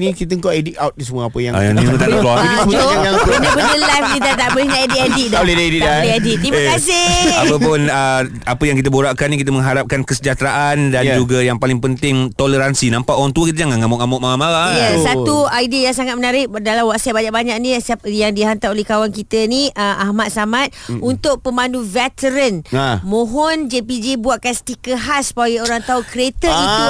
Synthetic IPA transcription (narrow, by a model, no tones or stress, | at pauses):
nĩkit̪̬əŋkaʔɛdiʔawt̪̚dis̬əmuəapəjaŋniə̃t̪aaloaoaabənəbənəlajiat̪aʔbolɛhnaʔadiʔadiʔ̚daboledadiʔdaeadiʔt̪imkasɪhapəpʊnə | apəjaŋkit̪əboɾaʔkanikit̪̬əməŋɦaɾap̚kankəsəd͡ʒat̪ɾaʔandand͡ʒuɡajaŋpalɪŋpənt̪ɪŋt̪oləɾansinãmpaʔoɾaŋt̪uəkit̪ad͡ʒaŋanŋamɔʔamɔʔmaɣamaɣajəsat̪uajdiəjaŋsaŋat̪̚mənaɾɪʔ̚dalamwaʔsabaɲaʔbaɲaʔ̚nisjaŋdiɦant̪aɾolɛhkawankit̪əniəahmat̪̚samãt̪̚unt̪ʊʔ̚pəmanuvɛt̪əɾənmõɦɔnd͡ʒepid͡ʒibuatʔ̚kanst̪ikəɦasu̥pajəoɾaŋt̪aukɾiet̪əit̪